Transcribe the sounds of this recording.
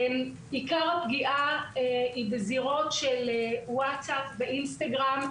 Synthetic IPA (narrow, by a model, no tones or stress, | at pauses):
ikaʁapɡiʔaeibeziʁo̞t̪ʃelewatsapveʔinst̪aɡʁam